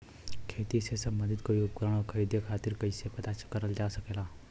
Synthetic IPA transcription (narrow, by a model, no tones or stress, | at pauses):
kʰeːt̪isesəbmənd̪ɪd̪koiupkɾaːɽ̃okʰɐɾid̪ekʰaːt̪ɪɾkɐɪsepɐt̪at͡ʃkəɾəld͡ʒaːsɐkeːlaː